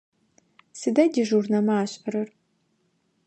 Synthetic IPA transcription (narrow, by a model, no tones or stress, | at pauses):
sɨdɐdʲiʒurnɐmaaːɕʼɐɾɨr